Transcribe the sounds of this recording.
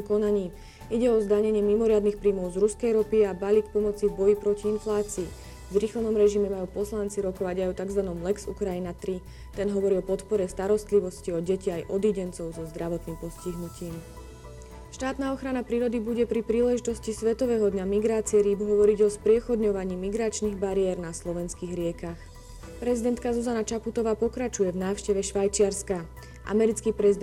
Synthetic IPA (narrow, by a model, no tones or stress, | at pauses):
kɔnaɲiː | iɟɛɔɔzd̪aɲɛɲɪɛmimɔɾɪad̪nixpɾiːmɔʊzɾuskɛjɾɔpiabaliːk̚pɔmɔt͡sivbɔjipɾɔciinflaːt͡siː | vɾixlɛnɔmɾɛʒimɛmajuːpɔslant͡siɾɔkɔʋaɟajɔt̪aɡzʋanɔmlɛksukɾajinat̪ɾi | t̪ɛnɦɔʋɔɾiːɔpɔt̪pɔɾɛst̪aɾɔst̪liʋɔsciɔɟɛciajʔɔd̪iɟɛnt͡sɔʊzɔzd̪ɾaʋɔt̪niːmpɔsciɦnuciːm | ʃt̪aːt̪naːɔxɾanapɾiːɾɔd̪ibuɟɛpɾipɾiːlɛʒit̪ɔscisʋɛt̪ɔʋɛɦɔd̪ɲamiɡɾaːt͡siɛɾiːbɦɔʋɔɾiɟɔspɾɪɛxɔd̪ɲɔʋaɲiːmiɡɾat͡ʃniːɣbaɾiɛɾnaslɔʋɛnskiːɣɾɪɛkax | pɾɛzid̪ɛnt̪kazuzanat͡ʃaput̪ɔʋaːpɔkɾat͡ʃujɛvnaːʊʃcɛʋɛʃʋajt͡ʃɪaɾska | ʔa̰mɛɾit͡skiːpɾɛzid̪